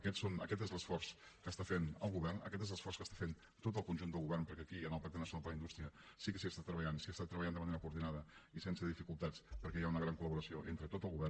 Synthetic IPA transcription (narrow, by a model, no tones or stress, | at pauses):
əkɛt̪sonə̰kɛt̪ezləsfɔrskəst̪afenəlˠɣuβɛrnə̰kɛt̪ezləsfɔrskəst̪ḁfen | t̪ot̪̬əlˠkunʲʒunəlˠɣuβɛrnpəɾkɛːkiənəlˠpak̚t̪ənəsiunalˠd̪əlˠəind̪ust̪ɾiəsikəsiast̪at̪ːɾəβəʎansiast̪at̪ːɾəβəʎand̪əməneɾəkuːɾðinaðəisensəðifikulˠt̪at͡spəɾkɛjaunəɣɾaŋkuləβuɾəsioʔent̪ɾət̪ot̪əlˠɣuβɛr